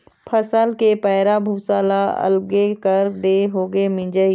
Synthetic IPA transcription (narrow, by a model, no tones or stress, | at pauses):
pʰəsəlkepɛːɪɾabʱuːsaːlaɐ̰lɡekəɾd̪eɦoːɡemɪ̃d͡ʒə